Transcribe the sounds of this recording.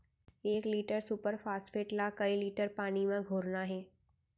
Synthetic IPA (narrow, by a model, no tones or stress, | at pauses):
eːkliːʈəɾsupəɾfʰaːsfeːʈlakəiliːʈəɾpaːñimẽɡʱoːɾnaɦɛː